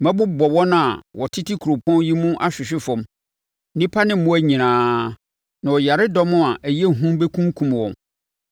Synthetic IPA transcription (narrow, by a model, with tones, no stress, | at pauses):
mɛ̃˦bʊ˦bɔ˨wɔ̃˦nã˨wɔ˨tʰɪ˦tʰi˦kʰu˨ɾo˨pʰɔ̃˦nji˦mũ˦ʔa˦ɕᶣɪ˨ɕᶣɪ˦fɔ̃˨m | nĩ˦pʰa˦nɪ̃˦mʊ̃˦æ˦ɲĩ˨nãː˨˦ | nã˨wɔ˨ja˨ɾɪ˦dɔ˦mʊ̃˦a˨ʔæ˨je˦˨ɦũ˦mbe˦kʰũ˦ŋkʰũ˨mwɔ̰̃˨m